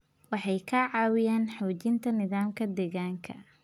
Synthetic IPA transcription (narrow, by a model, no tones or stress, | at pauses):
wɑħɑjkʰɐʕɑːwɪjaːnħɔːt͡ʃɪnt̪ʰɐnɪðaːmkʰɐd̪ɛːɣaːŋkʰɐ̰